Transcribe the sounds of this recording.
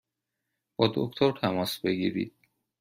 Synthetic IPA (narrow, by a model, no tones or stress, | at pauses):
b̥ɒːd̪o̰kt̪ʰoɾt̪ʰæmɒːsbeɡḭːɾḭd̪̥̚